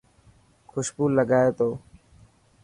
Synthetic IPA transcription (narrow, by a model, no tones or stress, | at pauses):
kʰʊʃpuːlːəɡaːeːt̪oː